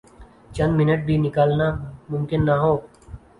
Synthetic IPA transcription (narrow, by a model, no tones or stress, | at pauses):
t͡ʃɐ̃nd̪mɪnəʈ̚bʱinɪkaːlnamʊ̃mkɪnːaɦoːɡ